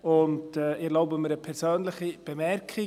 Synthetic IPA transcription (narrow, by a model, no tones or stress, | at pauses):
ʊntɛɪɾloʊbəməɾəpʰɛɾsøːnlɪχib̥emɛɾkʰɪ